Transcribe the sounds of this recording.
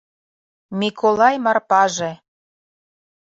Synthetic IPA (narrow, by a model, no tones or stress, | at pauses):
mikʰolɑjmɑrpɑʒĕ